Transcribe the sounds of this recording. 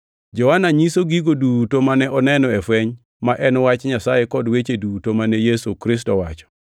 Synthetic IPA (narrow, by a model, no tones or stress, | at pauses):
d͡ʒɔwanaɲisoɡiɡodutomanɛʔɔnɛnɔɛfwɛɲ | maʔɛnwat͡ʃɲasajekɔdwet͡ʃedutomanɛjesukɾɪstɔwa̰t͡ʃɔ̥